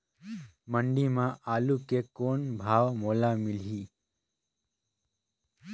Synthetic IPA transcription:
məɳɖimãʔaːlukekoːnbʱaːwmoːlamilɦiː

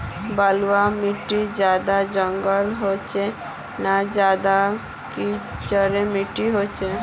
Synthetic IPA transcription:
balwamiʈid͡ʒaːd̪ad͡ʒə̃ŋɡəlɦot͡ʃe | nad͡ʒaːd̪a | kit͡ʃəɾemiʈiɦot͡ʃe

